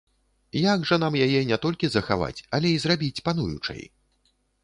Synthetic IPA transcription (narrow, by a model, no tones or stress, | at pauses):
jaɡʐɐnamjajɛnʲɛt̪ɔlʲkʲizɐxa̰va̰t͡sʲɐlʲɛizrabʲit͡sʲpan̪ujṵt͡ʂɐ̰j